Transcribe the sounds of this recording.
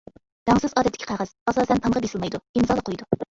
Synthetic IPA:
d̪̥ɑŋsɨzɑd̪ɛt̪ʰːɪ̥kʰʲqʰɑʁæz̥ɑsɑsɛnt̪ʰɑnʁɑbesɨlˠmɑjd̪uimzɑlˠəqʰojd̪u

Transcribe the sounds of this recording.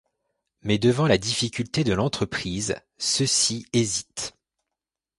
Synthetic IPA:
mɛd̪əvɑ̃lad̪ifikʲylt̪ed̪əlɑ̃t̪χəpχiz | səsiezit̪

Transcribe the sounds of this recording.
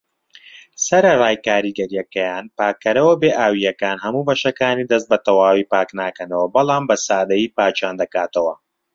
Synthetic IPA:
sɐɾɐraːjkaːɾiɡɐɾijɐkɐjaːnpaːkːɐɾɐwɐbeːʔaːwijɐkaːnɦɐmuːbɐʃɐkaːniːd̪ɐs̬t̪̚bɐt̪ɐwaːwiːpaːknaːkɐnɐwɐbɐlˠaːmbɐsaːd̪ɐjiːpaːt͡ʃaːnd̪ɐkaːt̪ɐwɐ

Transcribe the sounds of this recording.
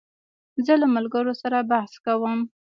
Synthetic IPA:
zəlamalɡəɾosaɾabahskawəm

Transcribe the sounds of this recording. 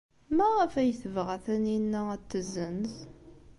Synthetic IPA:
mæʁæfæjəθəvʁæθæninːææt̪ːəzənθ

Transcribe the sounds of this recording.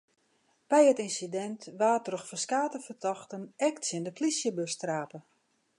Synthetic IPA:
b̥ɛjətinsidɛntʋaːtrɔxfəskaːtəfərtɔxtənɛktsɪndəplisjəbøstraːpə

